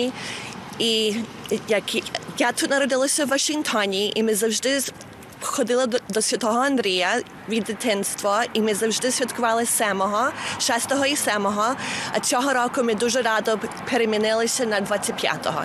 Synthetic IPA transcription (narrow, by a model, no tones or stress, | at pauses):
i | jɐkjat̪ut̪nɐɾɔd̪ɪlˠɐsʲɐwːɐʃɪŋkt̪ʰɔnʲiʔimɪzɐwʒd̪ɪ | xɔd̪ɪlˠɐd̪ɔsʲʋʲɐt̪ɔɦɔɐnd̪ɾʲijɐ | ʋʲid̪ːɪt̪ɪnst̪ʋɐimɪzɐwʒd̪ɪsʲʋʲɐt̪kʊʋɑlˠɪsʲɛmɔɦɔʃɛst̪ɔɦɔisɛmɔɦɔɐ̰t͡s̪ʲɔɦɔɾɔkʊmɪd̪uʒɛɾɑd̪ɔpʰeɾemʲinɪlˠɪsʲɐnɐd̪ʋat͡sʲːɐt̚ʲpʲja̰t̪ɔ̰ɦɔ̰